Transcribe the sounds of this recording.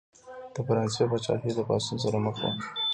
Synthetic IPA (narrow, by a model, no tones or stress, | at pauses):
d̪̥əfaɾɑnsebat͡ʃɑ̰ked̪əpɑsuns̬aɾaməxwa̰